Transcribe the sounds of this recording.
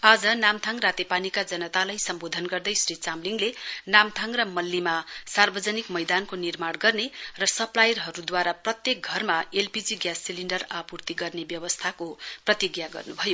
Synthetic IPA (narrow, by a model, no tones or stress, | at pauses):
ad͡zʌnamt̪ʰaŋrat̪epanikad͡zʌnʌt̪alajsʌmbod̪ʱʌnɡʌrd̪ʌjsrit͡samliŋlenamt̪ʰaŋrʌmʌlːimasarbʌd͡zʌnikmʌjd̪ankonirmaɽɡʌrnerʌsʌplajʌrɦʌɾud̪waɾaprʌt̪jek̚ɡʱʌrmaelpid͡ziɡjasːiliɳɖʌrapurt̪iɡʌrnebjʌwʌst̪ʰakoprʌt̪iɡjaɡʌ̰rnubʱʌjo